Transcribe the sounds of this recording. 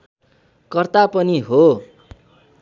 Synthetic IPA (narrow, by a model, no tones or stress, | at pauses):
kʌrt̪apʌniɦo